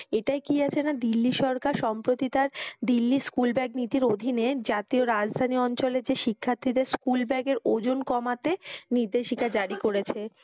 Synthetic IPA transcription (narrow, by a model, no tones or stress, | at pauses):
eʈajkiat͡ɕʰenad̪ilːiʃɔɾkaɾʃɔmpɾot̪it̪aɾd̪ilːiskulbɛɡ̚nit̪iɾod̪ʱined͡ʑat̪ioɾad͡ʑd̪ʱaniɔnt͡ɕoled͡ʑeʃikʰːaɾt̪ʰːid̪eɾskulbɛɡeɾod͡ʑonkɔmat̪eniɾd̪eʃikad͡ʑaɽikoɾet͡ɕʰe